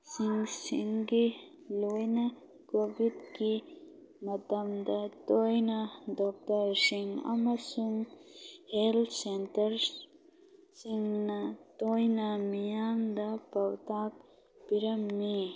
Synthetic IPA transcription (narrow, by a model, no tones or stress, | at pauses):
siŋsiŋɡi | lujnɐ | kobid̪ki | mɐt̪ɐmd̪ɐt̪ojnad̪ɔk̚t̪ɐɾsiŋɐ̰mɐɾsuŋhelt̪ʰsentɐɾ | siŋnɐt̪ojnamijaːnd̪ɐpɐwt̪aːk̚ | piɾɐmːi